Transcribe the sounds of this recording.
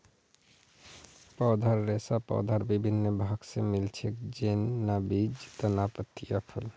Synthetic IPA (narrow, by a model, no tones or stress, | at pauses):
pɔd̪ʱaɾːesapɔ̰d̪ʱaɾbibʱinːəbʱaɡsemilt͡ʃʰekd͡ʒenːabid͡ʒt̪ənapət̪ijapʰəl